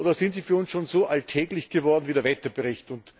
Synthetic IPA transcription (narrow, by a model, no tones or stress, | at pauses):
oːdɐsɪntz̥iːfyːɐʊnsʃoːnz̥oːʔaltʰɛːɡlɪçɡ̥əvɔɐdn̩viːdeːɐvɛtɐb̥əʁɪçtʊnt